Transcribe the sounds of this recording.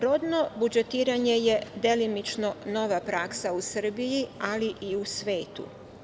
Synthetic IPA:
ɾo̞d̪no̞bud͡ʒe̞t̪iːɾaɲe̞je̞d̪e̞limit͡ʃno̞no̞ʋapɾaksausr̩bijialiʔiusʋe̞ːt̪ṵ

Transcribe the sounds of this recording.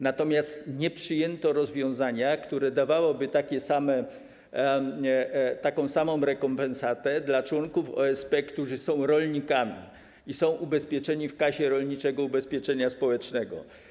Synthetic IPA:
nat̪ɔmʲjast̪ɲɛpʂɘjɛnt̪ɔɾɔzvʲjɔ̃w̃zaɲakt̪uɾɛd̪avawɔbɘt̪akʲɛsamɛ | t̪akɔ̃w̃samɔ̃w̃ɾɛkɔmpɛnsat̪ɛd̪lat͡ʂwɔŋkufɔ̰ɛspɛkt̪uʐɘsɔ̃w̃ɾɔlɲikamʲḭ | isɔ̃w̃ʔubɛspʲjɛt͡ʂɛɲifkaɕɛɾɔlɲit͡ʂɛɡɔubɛspʲjɛt͡ʂɛɲaspɔwɛt͡ʂnɛɡɔ̰

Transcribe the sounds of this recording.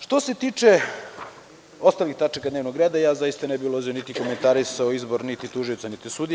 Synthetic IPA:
ʃt̪o̞set̪iːt͡ʃe | ost̪alixt̪at͡ʃakad̪neʋnoɡɾeːd̪ajaːzajist̪anebilˠozionit̪iko̞ment̪aɾisaoizboɾnit̪it̪uʒijot̪sanit̪isuːd̪i

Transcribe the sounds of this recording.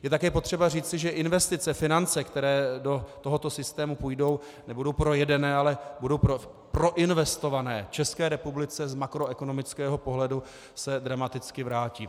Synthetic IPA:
jɛt̪akɛːpo̞t̪r̝̥ɛbariːt͡sɪʒɛʔɪnvɛst̪ɪt͡sɛfɪnant͡sɛkt̪ɛɾɛːdo̞t̪oɦo̞t̪o̞sɪst̪ɛːmupujdo̞w | nɛbudo̞wpɾo̞jɛdɛnɛːalɛbudo̞wpɾo | pɾo̞ʔɪnvɛst̪o̞vanɛːt͡ʃɛskɛːɾɛpublɪt͡sɛzmakɾo̞ɛko̞no̞mɪt͡skɛːɦo̞po̞ɦlɛdu | sɛd̪ɾamat̪ɪt͡skɪvɾaːciː

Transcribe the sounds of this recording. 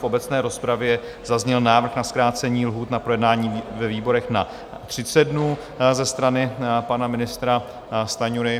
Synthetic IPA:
fʔo̞bɛt͡snɛːɾo̞spɾavjɛ | zazɲɛlnaːvr̩xnaskɾaːt͡sɛɲiːlɦuːt̪napɾo̞jɛdnaːɲiːvɛviːbo̞ɾɛxna | t̪r̥ɪt͡sɛdnuː | zɛst̪ɾanɪpanamɪnɪst̪ɾa | st̪aɲuɾɪ

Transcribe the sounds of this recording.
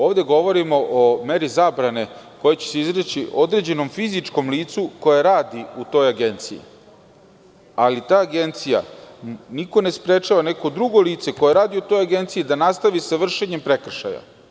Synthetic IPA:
o̞ːʋd̪e̞ɡo̞ʋo̞ɾimo̞ʔome̞ɾizaːbɾane̞ko̞jet͡ɕe̥seizɾet͡ɕiʔo̞d̪ɾe̞d͡ʑe̞no̞mfizit͡ʃko̞mliːt̪suko̞jaɾaːd̪iut̪o̞jaɡe̞nt̪sijḭ | alit̪aːɡe̞nt̪sija̰niko̞ne̞spɾe̞t͡ʃaʋane̞ko̞d̪ɾuɡo̞liːt̪se̞ko̞jeɾaːd̪iut̪o̞jaɡe̞nt̪sijid̪anast̪aʋisaʋr̩ʃe̞ɲe̞mpɾekr̩ʃa̰ja̰

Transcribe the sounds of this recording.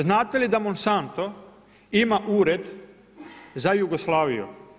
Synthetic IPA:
znaːt̪elid̪amonsant̪o̞ | imaʔuːɾed̪ | zajuɡoslˠaːʋḭjṵ

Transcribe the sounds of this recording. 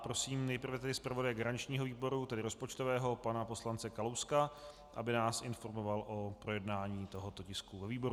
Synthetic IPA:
pɾosiːmnɛjpr̩vɛt̪ɛdɪspɾavo̞dajɛɡaɾanɪt͡ʃɲiːɦo̞viːbo̞ɾut̪ɛdɪɾospo̞t͡ʃt̪o̞vɛːɦo̞panapo̞slant͡sɛkalowska | ʔa̰bɪnaːsʔɪnfo̞ɾmo̞valʔopɾo̞jɛdnaːɲiːt̪o̞ɦo̞t̪ocɪskuvɛviːbo̞ɾu

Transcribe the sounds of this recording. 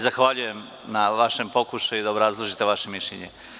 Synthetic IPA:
zaxʋaʎuje̞m | naʋaʃempo̞kuʃajuid̪aobɾazlˠoʒit̪eʋaʃe̞miʃʎḛɲḛ

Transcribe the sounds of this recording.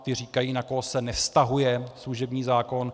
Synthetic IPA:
t̪ɪr̝iːkajiːnakoɦsɛnɛfst̪aɦujɛsluʒɛbɲiːzaːko̞n

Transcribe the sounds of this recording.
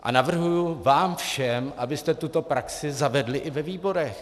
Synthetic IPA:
ʔa̰navr̩ɦujuvaːmfʃɛmʔabɪst̪ɛt̪ut̪o̞pɾaksɪzavɛdlɪʔɪvɛviːbo̞ɾɛx

